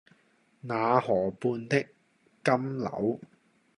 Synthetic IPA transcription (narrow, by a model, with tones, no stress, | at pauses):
naː˨˧hɔː˨˩puː˧nt̪ɪ˥kː | ɐ˥mlɐ̰˨˥w